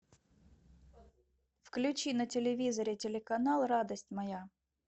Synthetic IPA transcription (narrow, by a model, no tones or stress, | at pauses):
fklʲʉt͡ɕinətʲɪlʲɪvʲizəɾʲɪtʲɪlʲɪkɐnalˠrad̪əsʲtʲmɐja